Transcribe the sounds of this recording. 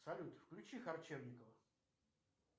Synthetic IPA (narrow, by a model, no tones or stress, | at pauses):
sɐlʲut̪fklʲʊt͡ɕixɐrt͡ɕevnʲɪkəvə